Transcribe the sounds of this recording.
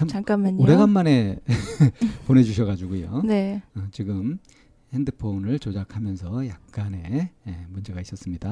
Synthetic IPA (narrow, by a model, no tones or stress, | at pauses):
amk͈amːaɲoɾe̞ɡanːane̞ | pone̞d͡ʑuɕʰʌɣad͡ʑuɡujo̰neʌt͡ɕiɡɯm | he̞ndɯpʰonɯɭt͡ɕod͡ʑakʰamjʌnsʰʌjak̚k͈ane̞emund͡ʑe̞ɡais͈ʌs͈ɯmɲida